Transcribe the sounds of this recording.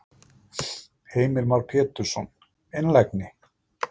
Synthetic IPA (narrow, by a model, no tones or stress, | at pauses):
heːjmɪɾmawɾpʰɛːt̪ʏɾ̥sɔn | enlɛjknɪ